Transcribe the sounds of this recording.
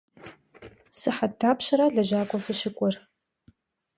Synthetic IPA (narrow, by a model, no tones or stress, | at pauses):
sɨħatʰːaːpɕɐɾaɮɐʒaːkʷʼɔfɨʃɪkʷʼɔr